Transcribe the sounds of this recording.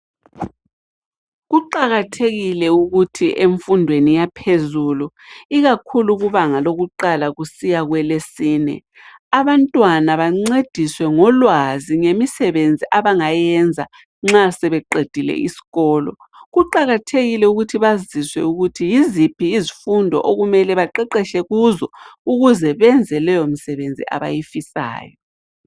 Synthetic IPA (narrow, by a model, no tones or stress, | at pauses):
ɣuǃaɣatʰeɣilɛuɣutʰiʔeɱfundʱwenijapʰezulu | iɣakʰuluɣuβaŋaloɣuǃalaɣusijaɣwɛlesiːnɛ̰ | aβantʼwanaβaŋ͡ǀed̥ʱiswɛŋɔlwaziŋemisɛβend͡zʱiʔaβaŋajɛnd͡zʱa̰ | ŋ͡ǁasɛβɛǃed̥ʱilɛ̰ʔḭsi̥ɣɔːlɔ̰ | ɣuǃaɣatʰeɣilɛuɣutʰiβaziswɛ̰uɣutʰijizipʰiːzifundʱɔ̰ʔoɣumɛlɛβaǃɛǃɛʃɛɣuzɔuɣuzɛβɛnd͡zʱɛlɛjomisɛβend͡zʱḭʔa̰βa̰jifisa̰ːjɔ